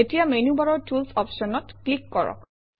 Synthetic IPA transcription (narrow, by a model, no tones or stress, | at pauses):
etijamenubaɹɔɹtʰulsɔpʃɔnɔtklikːɔɹɔ̰k